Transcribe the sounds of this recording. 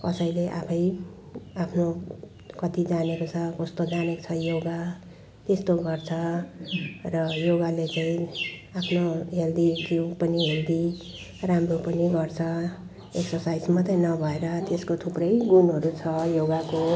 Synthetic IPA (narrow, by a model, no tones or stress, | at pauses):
kʌsʌjleʔapʰʌj | apʰno | kʌt̪id͡zanekot͡sʰʌkʌst̪od͡zaneko̥t͡sʰʌjoɡa | t̪est̪oɡʌrt͡sʰʌ | rʌjoɡalet͡saĩapʰnoɦeld̪ikiwpʌniɦeld̪i | ramropʌniɡʌrt͡sʰʌ | eksʌrsajd͡zmat̪aĩnʌbʱʌeɾʌt̪eskot̪ʰuprʌjɡunɦʌɾut͡sʰʌjoɡako